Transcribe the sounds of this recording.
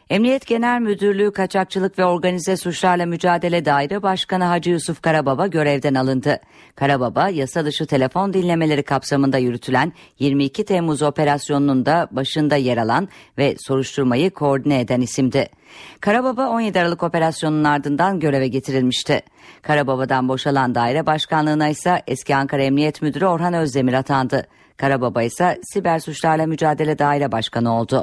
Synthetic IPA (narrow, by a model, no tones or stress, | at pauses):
ɛmnijɛt̪ɟe̞nælʲmyd̪yɾlʲyːkʰat͡ʃʰak̚t͡ʃʰɯlˠɯkvɛo̞ɾɡanizɛsut͡ʃlˠaɾlˠamyd͡ʒaːd̪e̞lʲɛd̪aːiɾɛbaʃkanɯɦad͡ʒɯjusufkaɾababaɟø̞ɾɛvd̪ɛnalˠɯnd̪ɯ | kʰaɾababajasad̪ɯʃɯt̪ʰe̞lʲe̞fo̞nd̪inlʲe̞me̞lʲe̞ɾikʰapsamɯnd̪ajyɾyt̪ʰylʲænjiɾmiːcʰit̪ʰɛmuzo̞pe̞ɾasjo̞nunund̪abaʃɯnd̪ajeɾalˠanvɛso̞ɾuʃt̪ʰuɾmajɯkʰo̞ːɾd̪inɛːd̪ænisimd̪ɪ | kʰaɾababao̞njed̪iaɾalˠɯko̞pe̞ɾasjo̞nunaɾd̪ɯnd̪anɟø̞ɾe̞vɛɟe̞t̪ʰiɾilʲmiʃt̪ʰɪ | kʰaɾababad̪anbo̞ʃalˠand̪aːiɾɛbaʃkanlˠɯːnajsaʔɛscʰiaŋkʰaɾaɛmnijɛt̪myd̪yɾyo̞ɾɦanø̞zd̪e̞miɾat̪ʰand̪ɯ | kʰaɾababajsasibæɾsut͡ʃlˠaɾlˠamyd͡ʒaːd̪e̞lʲɛd̪aːiɾɛbaʃkʰanɯo̞lˠd̪ʊ